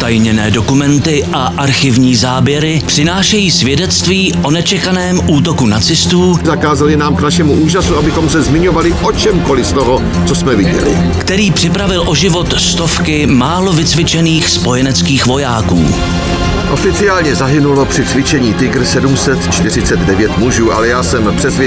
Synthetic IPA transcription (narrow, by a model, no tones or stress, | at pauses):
t̪ajɲɛnɛːdo̞kumɛnt̪ɪʔaʔaɾxɪvɲiːzaːbjɛɾɪpr̥ɪnaːʃɛjiːsvjɛdɛt͡st̪viːʔo̞nɛt͡ʃɛkanɛːmʔuːt̪o̞kunat͡sɪst̪uːzakaːzalɪnaːmknaʃɛmuʔuːʒasuabɪxomsɛzmɪɲovalɪʔot͡ʃɛmkolɪst̪oɦo | t͡sosmɛvɪɟɛ̰lɪ̰ | kt̪ɛɾiːpr̥ɪpɾavɪlʔo̞ʒɪvo̞t̪st̪o̞fkɪmaːlo̞vɪt͡svɪt͡ʃɛniːxspo̞jɛnɛt͡skiːxvo̞jaːkṵː | ʔo̞fɪt͡sɪaːlɲɛzaɦɪnulo̞pr̝̥ɪt͡svɪt͡ʃɛɲiːt̪ɪɡr̩sɛdumsɛt̪t͡ʃt̪ɪrɪt͡sɛd̪dɛvjɛt̪muʒuːʔa̰lɛjaːsɛmpr̝̥ɛsvjɛ